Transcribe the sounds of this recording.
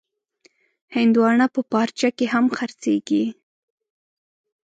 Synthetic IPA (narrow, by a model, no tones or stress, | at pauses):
hɪnd̪wɑɳapəpɑɾt͡ʃakeɦamxaɾt͡seɡi